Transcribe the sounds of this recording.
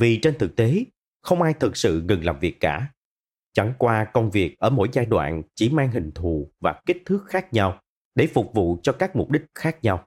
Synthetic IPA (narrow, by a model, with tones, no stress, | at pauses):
vi˨˩t͡ɕe˧nt̪ʰɨ˨˩k̚t̪e˨˦ | xə˧wŋ͡mʔaː˧jt̪ʰɨ˨˩k̚sɨ̰˧˨ŋɨ˨˩ŋlaː˨˩mvi˨˩əkːaː˧˩ | t͡ɕa˧˩ŋkwaː˧kə˧wŋ͡mvi˨˩ək̚ʔəː˧˩mo̰˧˥jzaː˧jɗwa̰ː˧˨nt͡ɕi˧˩maː˧ŋɦï˨˩ŋ̟t̪ʰu˧˩˨vaː˨˩ki˦˥k̟̚t̪ʰɨ˦˥k̚xaː˦˥k̚ɲa˧w | ɗe˧˩fʊ˨˩k͡p̚vṵ˧˨t͡ɕɔ˧kaː˦˥k̚mʊ˨˩p̚ɗï˦˥k̟̚xaː˦˥k̚ɲa˧w